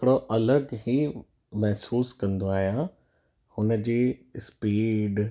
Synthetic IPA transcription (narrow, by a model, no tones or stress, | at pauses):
kɪɽoʔɐləɡɦiː | mɛɦsuːskɐ̃nd̪oaːɦijã | hʊnəd͡ʑiːspiːɖ